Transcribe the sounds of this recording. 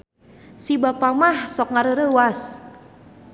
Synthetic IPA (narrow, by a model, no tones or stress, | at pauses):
sibapamahsɔk̚ŋaɾəɾəwas